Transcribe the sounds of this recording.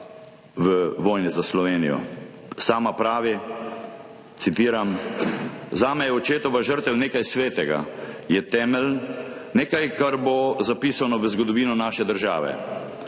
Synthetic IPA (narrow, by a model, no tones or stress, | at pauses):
ʋəʋɔːjnɛzaslɔʋeːnijɔ̰ | saːmapɾaːʋi | t̪sit̪iːɾam | zaːmɛjɛɔt͡ʃeːt̪ɔʋaʒəɾt̪ɛwneːkajsʋeːt̪ɛɡa̰ | jɛt̪ɛːmɛlneːkajkaɾbozapiːsanɔʋəzɡɔd̪ɔʋiːnɔnaːʃɛd̪əɾʒa̰ːʋɛ̰